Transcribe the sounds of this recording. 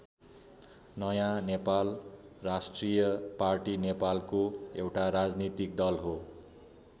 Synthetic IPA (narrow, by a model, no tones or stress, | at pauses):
nʌjãnepal | rasʈrijʌparʈinepalkoewʈaɾad͡znit̪ik̚d̪ʌlɦo